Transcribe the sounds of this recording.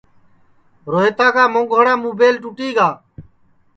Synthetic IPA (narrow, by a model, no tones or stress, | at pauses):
ɾoːɦeːt̪aːkʰaːmõːɡʱoːɽãːmuːbeːlʈuːʈiːɡaː